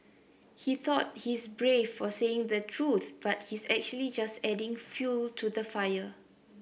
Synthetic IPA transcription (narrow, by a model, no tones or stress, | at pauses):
hiθɔt̚hisbɹevːɔseɪ̃ŋd̪ətʰɹuθb̥at̚hisɛk̚t͡ʃuəlid͡ʒastɛdɪ̃ŋfjultʰudəfajə